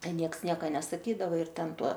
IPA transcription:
ˈtʲɛn ˈnʲiɛks ˈnʲiɛkɐ nʲɛsɐˈkʲiːdɐʋɐ ɪr ˈtʲɛn ˈtuɔ

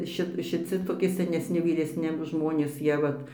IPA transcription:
ˈʃʲɪt ʃʲɪˈt͡sʲɪ toːˈkʲɪ sʲɛnʲɛsʲˈnʲɪ ʋʲiːˈrʲæːsʲnʲɪ ˈʒmoːnʲeːs ˈjiɛ ʋɐt

